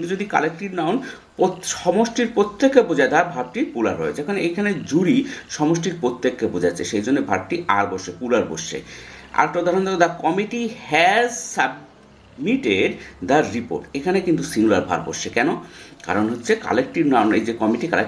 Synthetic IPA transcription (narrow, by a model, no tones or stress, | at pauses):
int̪ud͡ʑod̪ika̰lek̚ʈiɾnaon | poʃɔmoʃʈiɾpɾot̪ːekːebod͡ʑaed̪aɾbʱab̚ʈipula̰ɾɦɔ̰ed͡ʑekʰaneʔejkʰaned͡ʑuɾiʃɔmoʃʈiɾpɾot̪ːekːebod͡ʑat͡ɕʰeʃejd͡ʑonːebʱab̚ʈiʔa̰ɾboʃepulaɾbo̰ʃḛa̰ɾʈːad̪ʱaɾont̪ʰood̪akɔmiʈihɛzsab | miʈeɖd̪aɾɾipo̰ɾʈekʰanekint̪usiŋulaɾbʱa̰ɾbo̰ʃʃekɛnoka̰ɾonɦotːɕʰeka̰lek̚ʈiɾnaonejd͡ʑekɔmiʈika̰le